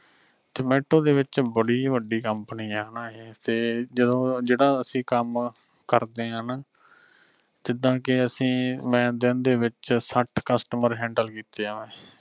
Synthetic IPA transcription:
t̪əmɛːʈːõːd̪eːʋɪt͡ʃbəɽiːʋəɖiːkəmpniːaːɦnaːɦeːt̪eːd͡ʒəd̪õːd͡ʒeːɽãːəsĩːkəm | kəɾd̪eːɦənaː | d͡ʒ̪ɪd̪ãːkɪəsĩːmɛ̃ːd̪ɪnd̪eːʋɪt͡ʃsəʈʰkəsʈəməɾɦɛ̃ːɳɖəlkiːt̪eːɦãːʋɛ̃ː

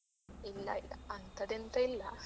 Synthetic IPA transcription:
ilːɐ̰iɐnt̪ɐd̪ent̪ɐilːɐ

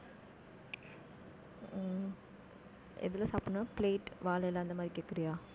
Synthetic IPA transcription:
ḛd̪ulɐsɐpunəpleːʈʋaːlɐjelaːnd̪ɐmɐɾikːekɾijaː

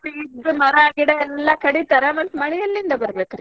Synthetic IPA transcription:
id̪ɨmɐɾɐaːɡiɽɐɛlːɐkɐɽit̪ɐɾɐmɐt̪ːmɐɭɛjɐlːind̪ɐbɐɾɐbeːkɐɾi

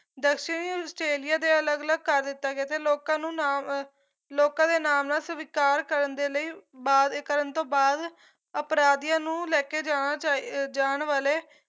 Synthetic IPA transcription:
d̪əkʃɪnusʈɾeːlɪjaːd̪eːələɡələɡ̚kəɾd̪ɪt̪ːaːɡeaːt̪eːloːkãːnũːaːm | loːkãːd̪eːnaːmnaːsəʋɪkaːɾkəɾənd̪eːləiːbaːd̪kːəɾənt̪õːbaːd̪ | əpɾaːd̪ijãːnũːlɛːkeːd͡ʒaːñaːt͡ʃad͡ʒaːɳʋaːleː

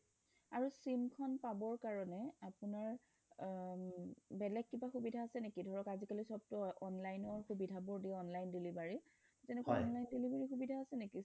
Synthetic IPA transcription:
aɹusimkʰɔnpabɔɹkaɹɔnɛapunaɹ | bɛlɛɡ̚ːibaxubidʱaːsɛnekidʱɔɹɔkazikalisɔb̚tɔɔnlajnɔɹxubidʱabɔɹdiɔnlajndilibaɹi | tɛnɛkwaɔnlajndelibaɹixubidʱaːsɛneki

